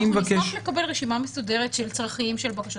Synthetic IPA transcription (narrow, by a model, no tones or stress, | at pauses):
imvɐkeʃlekabelʁeʃimamesodeʁet̪ʃelt͡sʁaχiimʃelbakaʃ